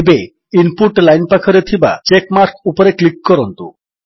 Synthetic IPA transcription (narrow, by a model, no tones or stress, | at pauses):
be | inpuʈlajnpakʰoɾet̪ʰiba̰t͡ɕekmaɾkupoɾeklikːɔɾont̪u